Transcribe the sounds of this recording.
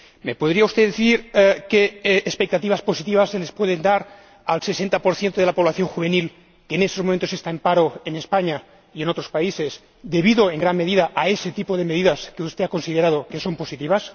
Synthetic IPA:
mepoð̞ɾiaust̪eðeθiɾkeːspek̚t̪at̪iβasposit̪iβasːelespweð̞end̪aɾ | alse̞sent̪apo̞ɾθje̞nt̪oð̞elapo̞βlaθjo̞ŋxuβenil | keːnest̪ozmomẽnt̪osest̪aempaɾoenespaɲa | ienot̪ɾospaise̞z | d̪e̞βiðoeŋɡɾanme̞ðiðaʔaeset̪ipoðemeðiðaskeust̪eako̞nsiðeɾað̞oke̞so̞mpo̞sit̪iβas

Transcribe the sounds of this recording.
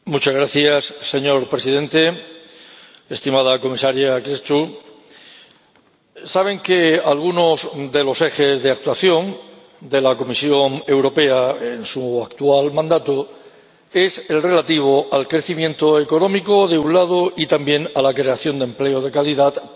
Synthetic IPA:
mut͡ʃazɣɾaθjasːe̞ɲo̞ɾpɾe̞sið̞e̞nt̪e̞ | est̪imað̞ako̞misaɾjakɾest̪u | saβ̞e̞ŋke̞alɣ̞uno̞zd̪e̞lo̞se̞xe̞zðe̞ak̚t̪waθjo̞n | d̪e̞lako̞misjo̞ne̞wɾo̞pe̞aensuakt̪ualmãnd̪at̪o | e̞se̞lre̞lat̪iβ̞o̞ʔalkɾe̞θimjẽ̞nt̪oeko̞nõ̞miko̞ðe̞unlað̞oit̪ambje̞nalakɾe̞aθjo̞nd̪e̞mple̞oð̞e̞kaliðat̪

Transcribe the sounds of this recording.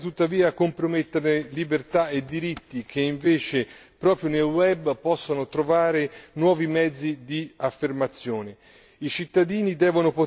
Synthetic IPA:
t̪ut̪ːaviːakompɾomet̪ːeɾnelibert̪aed̪ːiɾit̪ːik̟ʰeiɱveːt͡ʃe | pɾɔːpɾjonelwɛbpɔsːonot̪ɾovaːɾenwɔːvimɛd̪zːid̪iafːermat̪sːjoːne | it͡ʃit̪ːad̪iːnid̪ɛːvonopo

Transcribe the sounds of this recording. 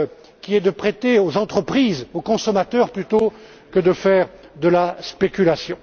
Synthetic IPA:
kʲiɛd̪əpχet̪eozɑ̃t̪χəpχizokɔ̃sɔmat̪œʁplyt̪o | kəd̪əfɛːʁd̪əlaspekʲylasjɔ̃

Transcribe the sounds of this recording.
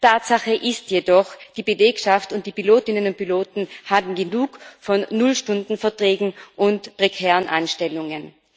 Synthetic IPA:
tʰaːtz̥aχəʔɪstjedɔxd̥iːbəleːkʃaftʊnt̚d̥iːpiloːtɪnənʊnt̚piloːtn̩haːbm̩ɡənuːkfɔnːʊlʃtʊndn̩fɛɐtʁ̥ɛːɡŋ̩ʔʊntpʁ̥ɛkʰɛːʁənʔa̰ɪnʃtɛlʊŋən

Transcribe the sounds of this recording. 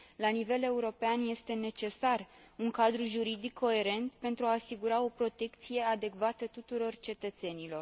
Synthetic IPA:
lanive̞le̞uɾo̞peanje̞st̪e̞ne̞t͡ʃe̞sar | uŋkad̪ɾuʒuɾid̪ikʰːo̞e̞ɾe̞nt̪pe̞nt̪ɾuaːsiɡuɾao̞pɾo̞t̪e̞kt̪sije̞ad̪e̞kvat̪ət̪ut̪uɾo̞rt͡ʃe̞t̪ət̪se̞nilo̞r

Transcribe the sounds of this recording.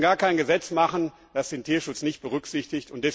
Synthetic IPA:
ɡaːɐkʰaɪnɡəzɛt͡smaχən̩ | d̥asd̥eːntʰiːɐʃʊt͡snɪçt̚b̥əʁʏkz̥ɪçtɪçtʊntd̥ɛs

